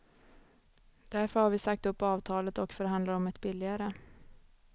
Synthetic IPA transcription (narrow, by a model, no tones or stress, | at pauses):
d̪̥æɾfœɾhaɾvɪsak̚t̪ɵpːɑːvt̪ʰɑːlət̪ɔkfœɾɦand̪laɾɔmɛt̪bɪlːɪɡaɾə